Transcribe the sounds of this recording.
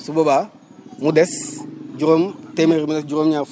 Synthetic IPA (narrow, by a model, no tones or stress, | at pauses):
suboba | mudɛsd͡ʒuɾomt̪emeɾimudɛsd͡ʒuɾomɲaf